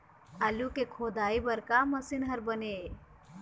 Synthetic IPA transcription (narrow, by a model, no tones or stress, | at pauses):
alukekʰoːd̪aːibɐɾkamɐsɪnɦɐɾbəne